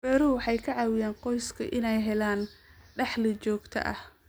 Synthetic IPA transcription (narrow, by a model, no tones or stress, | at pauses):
b̥ɛɾʊwɑħɑjkʰɐʕɑːwɪjaːnqɔjskʰɐ̰ʔɪnɛjɦɛlaːnɖɑħlɪt͡ʃɔːɡt̪ʰɐ̰ʔɐ̰h